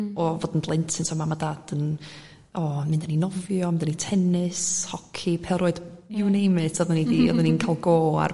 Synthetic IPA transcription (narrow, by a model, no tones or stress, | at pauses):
ɔvɔdn̩dlˠɪntʰɪnsɔmamadad̥ən | ɔmɪndaninɔvjɔmɪndanitʰɛnɪshɔkʰipʰɛlˠroːɨd̥juwnejmɨsɔðənidiɔ̰ðəninkʰalˠɡoːa̰r